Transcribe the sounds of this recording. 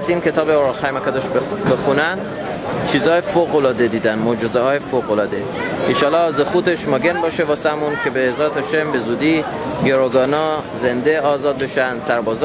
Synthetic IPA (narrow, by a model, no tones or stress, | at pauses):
siːnkʰʲe̞t̪ʰɒːbeoɾxæjmækæd̪ɒʃbexunænd̪ | t͡ʃʰiːzhɒːjefoɣolɒːd̪ed̪iːd̪ænmoːd͡ʒozehɒːjefoɣolɒːd̪e | iʃɒːlːɒzexuːt̪eʃmɒɡenbɒːʃevɒːseæmunkʰebezɒːt̪ʰɒʃembe̞zuːd̪iː | ɡeɾoɡɒːnɒze̞nd̪eɒːzɒːd̪̚be̞ʃænd̪̥sæɾbɒːz